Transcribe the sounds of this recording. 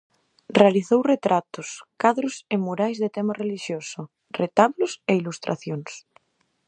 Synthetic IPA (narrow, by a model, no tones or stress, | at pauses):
realiθowret̪ɾat̪ʊskaðɾʊsemuɾajzðet̪ɛmareliʃjosʊ | ret̪aβlʊseilust̪ɾʔa̰θjoŋs